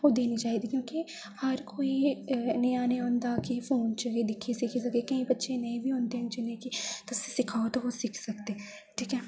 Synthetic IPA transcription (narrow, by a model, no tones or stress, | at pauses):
oːd̪eːniːt͡ʃaːɦid̪ikjõːki | hɐɾkoːiːneaːneõːnd̪aːkifoːnt͡ʃəked̪ɪkʰːisɪkʰisɐkd̪ekɐĩbətːʃẽnɐĩbʱiõːnd̪ẽnt͡ʃɪnẽːkit̪ʊsesɪkʰaːot̪oosɪkʰsəkd̪eː | ʈʰiːkɛ̃ː